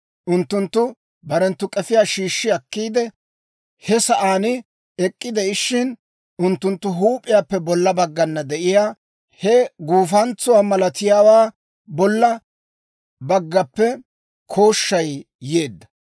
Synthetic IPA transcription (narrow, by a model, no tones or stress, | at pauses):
ʔʊnt̪ːʊnt̪ːʊ | bɐɾɛnt̪ːʊkʼɛfɪjaːʃiːʃːɪɐkːiːd̪ɛ | hɛsɐʔaːnɪ | ɛkʼːɪd̪ɛɪʃːɪn | ʊnt̪ːʊnt̪ːʊɦuːpʼːɪjaːpːɛbɔlːɐbɐɡːɐnːɐd̪ɛʔɪjaː | hɛɡuːfɐnt͡sːʊwaːmɐlɐt̪ɪjaːwaː | bɔlːɐ | bɐɡːɐpːɛ | kʰo̞ːʃːɐj | je̞ːd̪ːɐ̥